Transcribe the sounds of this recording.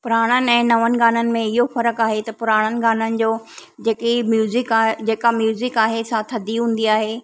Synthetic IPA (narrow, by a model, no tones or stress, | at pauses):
pʊɾaːɽ̃ənɪ̆ɛ̃ːnɐʋənɪ̆ɡaːnənɪ̆mẽɪɦofɐɾəkaːɦet̪ɐpʊɾaːɽ̃ənɪ̆ɡaːnənɪ̆d͡ʑoːd͡ʑeːkimjuːzɪkːd͡ʑeːkamjuːzɪkaːɦesãt̪ʰɐd̪ʱiɦũːn̆d̪iaːɦeː